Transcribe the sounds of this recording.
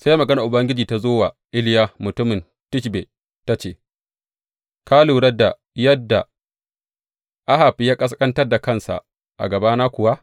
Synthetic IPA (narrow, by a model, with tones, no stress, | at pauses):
sa˦ja˦mɐ˨ɡɐ˦na˨ʔʊ˨bɐ˦ŋɡʲɪ˦d͡ʒiː˨ta˦zoː˦wa˨ | ʔɪ˦ljaː˦mʊ˨tʊ˦mɪ˨n | tɪ˦ʃ̬be˨ | ta˦t͡ʃeː˨ | kʰa˦luː˨ɽɐ˦da˨ | jɐ˦dːa˨ | ʔa˦ha˨ɸi˦jaː˦kʼɐ˦s̬kʼɐ˦ntɐ˦rda˨kɐ˦˨nsa̰˨ | ʔa̰˨ɡɐ˨baː˦naː˦kʷʊ˨wa˦